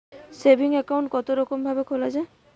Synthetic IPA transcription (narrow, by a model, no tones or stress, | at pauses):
sebʱiŋekawɳʈkɔt̪oɾɔkɔmbʱabekʰolad͡ʒa